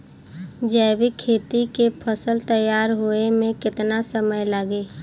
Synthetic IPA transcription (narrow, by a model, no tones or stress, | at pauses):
d͡ʒɛːʋikʰːeːt̪ik̪epʰəsəlt̪əjːaːɾɦoːemẽkɪt̪nasəməjləɡeː